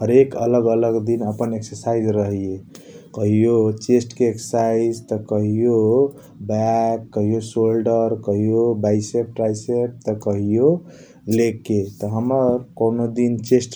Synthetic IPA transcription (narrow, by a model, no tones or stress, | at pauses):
ɦəɾekələɡələɡd̪inəpəneksəɾsaid͡ʒɾəɦijekəɦijot͡ʃesʈkeeksə̥saɪd͡ʒt̪əkəɦijo | bɛkːəɦijosolɖəɾkəɦijobaɪsep̚ʈɾajseʈ̚t̪əkəɦijo | lekːet̪ɔɦəməɾkonod̪int͡ʃesʈ